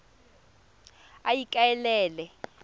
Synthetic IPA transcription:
ajikʼaɛlɛːlɛ

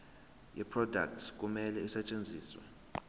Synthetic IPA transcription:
jɛpʰrɔda̰k̚tsk̬ʼumɛlɛisɛt͡ʃʼend͡zʱiːswɛ̰

